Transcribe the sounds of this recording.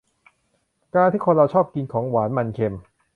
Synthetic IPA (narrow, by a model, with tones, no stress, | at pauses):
kaː˧nt̪ʰiː˥˩kʰo˧nɾa˧wt͡ɕʰɔː˥˩p̚ki˧nkʰɔː˩˦ŋwaː˩˦nma˧nkʰe˧m